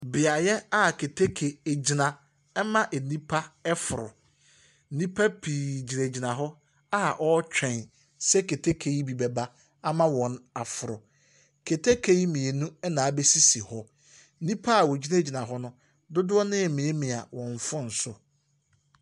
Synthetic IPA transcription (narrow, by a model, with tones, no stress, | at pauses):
bɪ˨a˨jɛ˦a˦˨kʰe˨tʰe˦kʰe˨e˨d͡ʑi˨nã˨ | ɛ˦mã˦ʔe˨nĩ˦pʰa˦ɛ˦fʊ˨ɾʊ̰˨˦ | nĩ˦pʰa˦pʰi˨d͡ʑi˨ne˨d͡ʑi˨nã˨ɦɔ˦ | a˦˨ʔɔ˦t͡ɕᶣʰɛ̃˨n | sɛ˦kʰe˨tʰe˦kʰe˨ji˦bi˨bɛ˨ba˦ | a˦mã˦wɔ̃˨na˨fʊ˨ɾʊ˨ | kʰe˨tʰe˦kʰe˨ji˦mĩ˨e˨nũ˦ɛ˦nãː˨˦be˦si˦si˨hɔ˦ | nĩ˦pʰa˦a˨wɔ˨d͡ʑi˦na˦˨d͡ʑi˨nã˨ɦɔ˦nʊ̃˦ | dʊ˦dʊ˦ɔ˦nɪ̃˦˨mĩ˨e˦mĩ˨a̰˨wɔ̃˨ɱ˨fʊ˦n̩˨sʊ˨